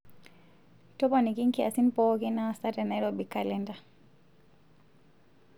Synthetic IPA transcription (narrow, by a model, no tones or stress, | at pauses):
tɔpanikinkiasinpɔkinasatɛnaɾɔbikalɛnda